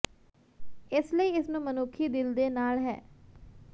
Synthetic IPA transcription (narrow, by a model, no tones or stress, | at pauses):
ɪsləiːɪsnũːmənʊːkʰiːd̪ɪld̪eːnaːlɦɛ̰ː